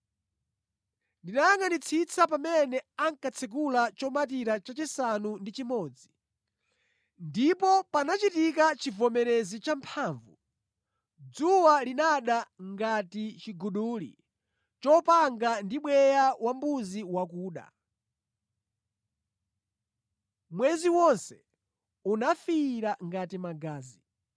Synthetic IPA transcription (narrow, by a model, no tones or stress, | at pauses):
ndinajaŋanit͡sʰit͡sʰapamɛnɛaŋkat͡sʰɛk̬ulat͡ʃɔmatiɾat͡ʃat͡ʃisanundit͡ʃimɔːd͡zi | ndipɔpanat͡ʃitikat͡ʃivɔmɛɾɛzit͡ʃampʰaːɱvu | d͡zuwalinaɗaŋɡatit͡ʃiɡuɗuːlḭ | t͡ʃɔpaŋɡandiɓwɛjawambuziwakuːɗa̰ | mwɛziwɔnsɛ̥ | unafiɾaŋɡatimaɡaːzi